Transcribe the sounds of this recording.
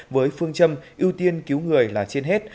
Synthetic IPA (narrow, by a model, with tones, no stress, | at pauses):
vəː˨˦jfɨ˧əŋt͡ɕə˧mʔi˧əwt̪i˧ənki˨˦wŋɨ˨˩əjlaː˨˩t͡ɕe˧nɦe˦˥t̚